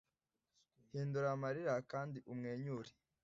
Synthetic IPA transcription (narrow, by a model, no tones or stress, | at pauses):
hiːnduɾamaɾiɾakaːndiʔumŋeːɲuːɾi